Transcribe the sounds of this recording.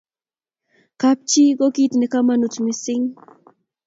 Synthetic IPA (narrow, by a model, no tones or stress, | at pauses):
kap̚t͡ʃiɢokit̪nekamanʊt͡smɪsɪŋ